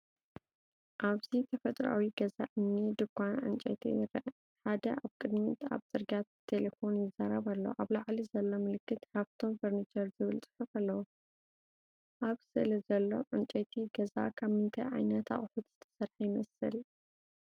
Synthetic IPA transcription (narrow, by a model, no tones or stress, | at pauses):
ʔaβzit̪ʰɐfɐt̪ʼɾa̰wiɡɐza̰ʔɨnːid̪ɨkʷːanʕɨ̰nt͡ʃʼɐ̰t̪ʰḭjɪɾɐʔ | ħad̪ɐʔaβkʼɨd̪mit̪ʰa̰βzʼɨɾɡat̪ʰːe̞lefo̞njɪzaɾɐβalːo̰ʔaβlaʕlizɐlːo̞mɨlɨkːɨt̪ħaβt̪ʰo̞mfɐɾnit͡ʃʰʼɐɾzɨβɨlt͡sʼɨ̥ħɨfalːɐwu | ʔaβsɨlɐzɐlːo̞̰ʕɨnt͡ʃʼɐt̪ʰiɡɐza̰kʰaβmɨnt̪ʰɐ̰ʕa̰jnɐt̪ʰa̰χʼħut̪z̥ɨt̪ʰɐ̥sɐɾħajɪmɐsɨl